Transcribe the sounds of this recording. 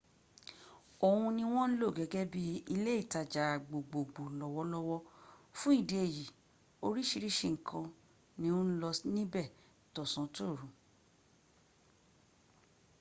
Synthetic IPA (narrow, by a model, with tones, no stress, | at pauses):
o˨hũ˧nĩ˧w̃ɔ̃˦n̩˦lo˦˨ɡɛ˨˦ɡɛ˦bi˦i˧le˦i˦˨ta˨d͡ʒa˨ɡ͡bo˨ɡ͡bo˨ɡ͡bo˨lɔ˨wɔ˧˦lɔ˦wɔ˧fũ˦i˦˨de˧e˨ji˨ | o˧ɾi˦ʃi˧ɾi˦ʃe˧˨ŋ̩˨kʰã˧ | nĩ˦ũ˦n̩˦lɔ˧snĩ˦bɛ˦˨ | tɔ˨sã˨˦to˦˨ɾũ˨˦